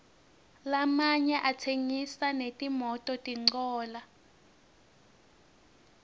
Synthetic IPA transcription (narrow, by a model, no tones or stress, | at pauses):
lamaɲɛʔatʰeŋisanetʼimɔtʼɔtʼiŋ͡ǀɔːla